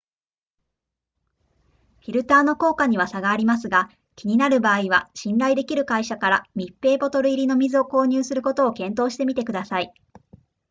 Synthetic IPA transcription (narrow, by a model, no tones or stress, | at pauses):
ɸʲiɾɯ̟t̪aːno̞ko̞ːkaɲ̟iβ̞asaɡaːɾʲimas̬ɨɡa | kʲiɲ̟inaɾɯ̟baːiβa̰ɕĩnɾaid̪e̞kʲiɾɯ̟kaiɕakaɾamʲipːe̞ːbo̞t̪o̞ɾɯ̟iɾʲino̞mʲizɨo̞ko̞ːɲ̟ɨːsɨɾɯ̟ko̞t̪o̞ːkẽ̞nt̪o̞ːɕi̥t̪e̞mʲit̪e̞kɯ̟d̪asai